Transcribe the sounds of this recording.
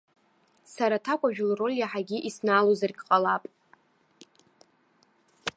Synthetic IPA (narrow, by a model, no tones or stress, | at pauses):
saɾatʰakʷʼaʒᶣlro̞lʲjaħaɡʲiʔisnaːlozarɡʲʼqʼalapʼ